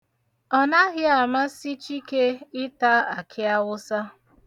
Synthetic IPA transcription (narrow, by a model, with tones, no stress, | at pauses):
ɔ˦na˦ɣɪ˦a˨ma˦si˦t͡ʃi˦ke˦ɪ˦ta˦a˨kʰɪ˦a˦wʊ˦sa˦